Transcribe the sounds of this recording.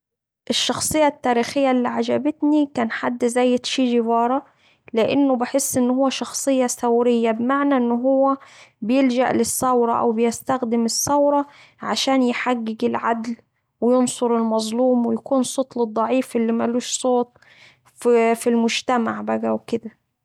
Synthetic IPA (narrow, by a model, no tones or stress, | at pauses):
ʔɪʃːɑxsˤɨjːɑt̪ːæːɾiːxɪjːælːiːʕad͡ʒæbɪt̪nikæːnħad̪ːzæːjːɪt̪ʃiːʒɪwɑːɾˤɑ | lɪʔɪnːʊbɪħesːʔɪnːhʊwːæʃɑxsˤɨjːɑsæwɾɪjːæbmaʕnæʔɪnːʊɦʊwːæbɪjɪld͡ʒæʔlɪsːɑwɾˤɑʔæ̰wbɪjɪst̪æxd̪ɪmɪsːɑwɾˤɑ | ʕaʃæːnjħaɡːɪɡɪlʕad̪l | wɪjonsˤoɾɪlmɑzˤluːmwɪjækuːnsˤoːt̪ˤlɨd̪ˤːɑʕiːfʔɪlːimæluːʃsˤoːt̪̚ˤ | ffilmʊd͡ʒt̪æmaʕbæɡæwkɪd̪æ